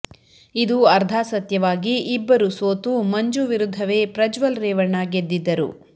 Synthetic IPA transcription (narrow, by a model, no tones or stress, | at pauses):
id̪uɐɾd̪ʱaːsɐt̪jɐʋaːɡiːbːɐɾusoːt̪umɐɲd͡ʒuʋiɾud̪ʱːɐʋe̞ːpɾɐd͡ʒʋɐlɾɛːʋɐɳːaɡed̪ːid̪ːɐɾṵ